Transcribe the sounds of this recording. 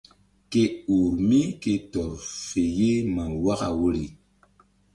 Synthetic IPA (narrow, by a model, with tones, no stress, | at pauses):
ke˦u˨ɾmi˦ke˨tɔ˨fe˨je˦mã˨wa˦ɣa̰˨wo˦ɾi˨